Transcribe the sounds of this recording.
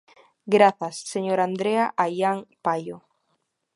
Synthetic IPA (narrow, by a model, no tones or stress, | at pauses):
ɡɾaθasːeɲoɾand̪ɾeaʔajaŋpajo